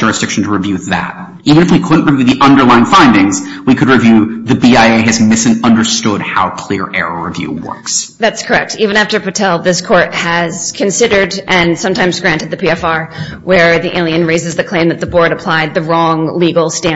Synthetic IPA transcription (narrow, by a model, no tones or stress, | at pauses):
d͡ʒʊɹɨsd̥ɪkʃn̩tʰəɹɨvjʉðæ̰t̚ | ivɨ̃ñɨfwikʰʊdⁿn̩ʔɹɨvjʉðiʔʌ̃ndə˞lãɪ̃nfãɪ̃ndɪ̃ŋz̥wikʰɨd̚ɹɨvjʉðɨbiaɪeɪɨzmɪsɨ̃n̩tʌ̃ndə˞stʊd̚ha̰ʊkʰl̥ɪɹʔɛ̰ɹəɹɨvjʉ̰wɜ̰˞ksðætskʰə˞ɛk̚tivɨ̃ñæftə˞pʰɨtʰɛlˠðɪskʰɔɹt̚hɨz̥kʰɨ̃nsɪɾə˞ɾɨ̃nsʌ̃mtʰãɪ̃mzɡɹæ̃ntɨd̪̚ðɨpʰiɛfɑɹwə˞ðiʔɪ̃nlˠiɨ̃nɹeɪzɨzðɨkʰl̥ẽɪ̃mðɨt̪̚ðəbɔɹɾɨpʰl̥aɪd̪̚ðɨɹɔ̃ŋliɡl̩ˠstæ̃